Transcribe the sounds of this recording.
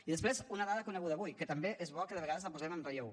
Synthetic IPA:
iðəspɾezunəðaðəkunəɣuðəːβujkət̪əmbeʔezβɔkəðəβəɣaðəzləpuzɛmənrəʎew

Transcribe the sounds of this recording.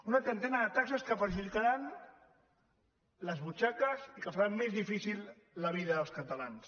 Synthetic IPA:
unət̪ɾənt̪ɛnəðət̪aksəskəfəʒilit̪aɾan | ləzβut͡ʃakəzikəfaɾamːezðifisilˠː | əβ̞iðəðəlˠskət̪alans

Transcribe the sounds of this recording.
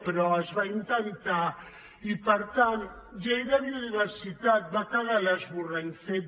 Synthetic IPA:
peɾɔezβaint̪ant̪a | ipəɾt̪ant̪d͡ʒejɾaβjoðiβeɾsit̪at̪̚bakaɣalazβurenθe

